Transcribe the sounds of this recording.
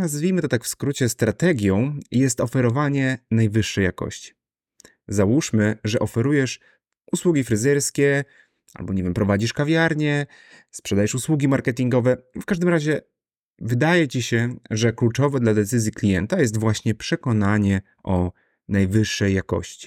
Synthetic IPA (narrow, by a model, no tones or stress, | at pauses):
nazvʲijmɘt̪ɔt̪akfskɾut͡ɕɛst̪ɾat̪ɛɡʲjɔ̃w̃jɛst̪ɔfɛɾɔvaɲɛnajvɘʂːɛjːakɔ̰ɕt͡ɕi̥ | zawuʂmɘʐɛʔɔfɛɾujɛʂ | ʔuswuɡʲifɾɘzɛɾskʲɛ | a̰lbɔɲevjɛmpɾɔvad͡ʑiʂkavʲjaɾɲɛ | spʂɛd̪ajɛʂuswuɡʲimaɾkɛt̪ʲiŋɡɔvɛfkaʐd̪ɘmɾaʑɛ | vɘd̪ajɛt͡ɕiɕɛʐɛklut͡ʂɔvɛd̪lad̪ɛt̪sɘzʲjiklʲijɛnt̪ajɛst̪vwaɕɲɛpʂɛkɔnaɲɛ | ʔɔ | najvɘʂːɛjːakɔ̰ɕt͡ɕi̥